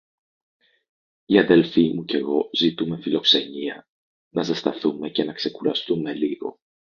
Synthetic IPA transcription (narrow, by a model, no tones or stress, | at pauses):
iɐðe̞lfimuce̞ɣo̞zit̪ume̞filo̞kse̞ɲiɐ | nɐsɐst̪ɐθume̞ce̞nɐkse̞kuɾɐst̪ume̞liɣo̞̰